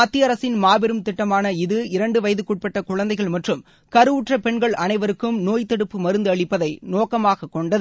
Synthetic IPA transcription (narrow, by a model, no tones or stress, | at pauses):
ɐt̪ːijɐɾɐsɪnmaːbɪɾɯmt̪ɪʈːɐmaːnɐɪðɯɪɾɐɳɖɯʋɐjɐðɯkuʈ̚pɛʈːɐkʊɻɐnd̪ɐɪɣɐɭmɐʈrɯm | kɐɾɯʊʈrɐpɛɳɡɐɭʔɐnɐɪʋɐɾɯkːɯmnoːjt̪ɛɽɯpːɯmɐɾɯnd̪ɯɐɭɪpːɐðɐɪnoːkɐmaːɣɐkːɔɳɖɐð